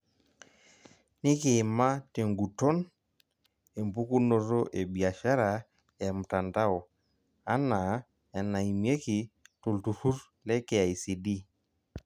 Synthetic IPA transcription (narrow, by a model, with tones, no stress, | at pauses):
ni˦ke˨ma˦te˨ŋɡu˨to˦n | e˨m˨pu˦ku˦no˨ɾo˦ʔe˨bi˨a˨ʃa˦ɾa˨ | ɛ˨m̩˨ta˨nda˦ɔ˨ | a˦na˨ | ɛ˨na˨i˨mi˦e˦ki˨tu˨ltu˨su˦ɾ | lɛ˦kɛ˨a˨i˨si˨di˦